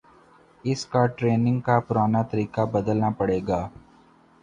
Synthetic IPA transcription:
ɪskaʈɾeːnɪ̃ŋɡkapʊɾaːnat̪əɾiːkabəd̪əlnapəɽeːɡaː

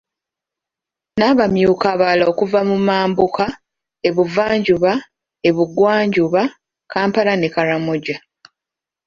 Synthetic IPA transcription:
naβamjuːkaβalao̞kuvamumaːmbuka | e̞βuvaːɲɟuβa | e̞βuɡwaːɲɟuβa | kaːmpalanekaɾamoɟa

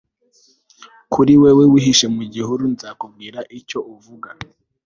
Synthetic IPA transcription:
kʰuɾiwewewiɦiʃemuɟihuɾunzakubɡiːɾaʔico̞ʔuvuɡa

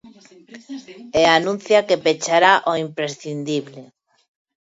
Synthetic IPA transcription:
eanũn̟θjakepet͡ʃaɾaʔoimpɾesθind̪iβle

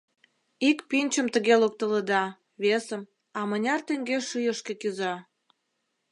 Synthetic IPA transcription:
ikpinʲt͡ɕəmt̪əɣelok̚t̪ələd̪ɑ | βesəm | ɑmə̆nʲɑrt̪eŋɡeʃɯjəʃkekyzɑ

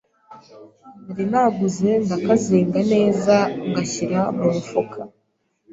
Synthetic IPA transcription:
naɾinaɡuze̞ndakaziːŋɡane̞ːzaŋɡaçiɾamuɾufukʰa

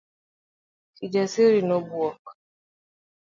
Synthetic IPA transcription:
kid͡ʒasiɾinɔbuɔk

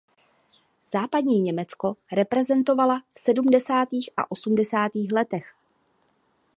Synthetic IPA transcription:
z̥aːpad̚ɲiːɲɛmɛt͡sko̞ɾɛpɾɛzɛnt̪o̞valafsɛdumdɛsaːt̪iːxʔa̰ʔo̞sumdɛsaːt̪iːxlɛt̪ɛx

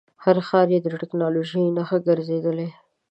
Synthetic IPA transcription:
haɾxɑɾjed̪əʈɪknɑloʒəjnaxəɡəɾzed̪əle

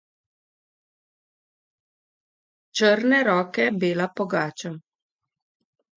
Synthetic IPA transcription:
t͡ʃəɾnɛɾɔːkɛbeːlapɔɡaːt͡ʃa

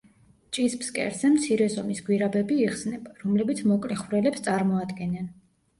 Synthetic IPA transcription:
t͡ʃʼispskʼɛ̰ɾzɛmt̪sʰiɾɛzɔmisɡwiɾabɛbiːχsnɛbaɾɔmlɛbit̪sʰmɔkʼlɛχvɾɛlɛpst̪sʼaɾmɔad̪ɡɛnɛn

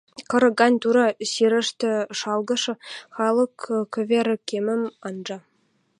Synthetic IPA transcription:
kɤ̆ɾɤ̆ɡɑnʲt̪uɾɑɕiɾɘ̆ʂt̪ʲɘ̆ʂɑlˠɡɤ̆ʂɤ̆xɑlˠɤ̆kkʲːø̆ʋʲeɾɘ̆kʲemɘ̆mɑnʐɑ

